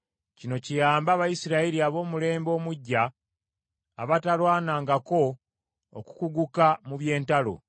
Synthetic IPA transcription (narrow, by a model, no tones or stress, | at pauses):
cino̞cijaːmbaːβajisiɾaiɾiaβo̞ːmule̞ːmbo̞ːmuɟːa | βatalwaːnaːŋɡako̞̰ː | ku̥kuɡukamuβje̞ːntalo̞̰